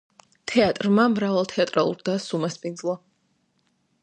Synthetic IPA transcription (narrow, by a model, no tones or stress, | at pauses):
t̪ʰɛat̪ʼɾmamɾavalˠt̪ʰɛat̪ʼɾalˠṵɾd̪asumaspʼind̪zlˠa